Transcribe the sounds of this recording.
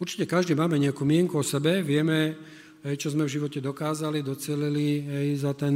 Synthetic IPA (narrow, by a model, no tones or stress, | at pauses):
uɾt͡ʃi̥cɛkaʒd̪iːmaːmɛɲɛakuːmɪɛŋkuɔsɛbɛʋɪɛmɛ | ɦɛjt͡ʃɔzmɛvʒiʋɔcɛd̪ɔkaːzalid̪ɔt͡sɪɛliliɦɛjzat̪ɛn